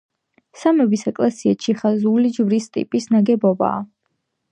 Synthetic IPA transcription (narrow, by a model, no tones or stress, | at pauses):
samɛbisɛkʼlɛsiat͡ʃʰiχazulid͡ʒvɾist̪ʼḭpʼisnaɡɛbɔba̰ː